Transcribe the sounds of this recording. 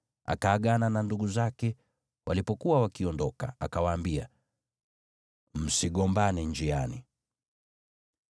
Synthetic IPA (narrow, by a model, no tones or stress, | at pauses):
a̰kaːɠanananduɠuzakɛ | walipɔkuwawakiɔndɔka̰akawaːmbia̰ | m̩siɠɔmbanɛɲd͡ʒiani